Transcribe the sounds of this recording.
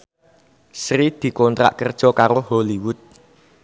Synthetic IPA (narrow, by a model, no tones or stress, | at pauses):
sɾid̪̥i̤kɔnt̪ɾa̰ʔkərd̥ʒ̥ɔ̤kaɾoholiwʊt̪̚